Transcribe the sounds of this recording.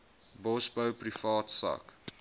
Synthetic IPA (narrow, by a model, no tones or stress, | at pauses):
bɔsbəwprifɑːtsɑ̰k